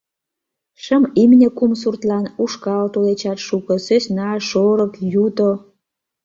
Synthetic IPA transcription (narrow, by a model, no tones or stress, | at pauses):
ʃəmimnʲekums̬urt̪lɑnuʃkɑlt̪olet͡ɕɑt̪ʃukəsøsʲnɑʃoɾəkjud̪o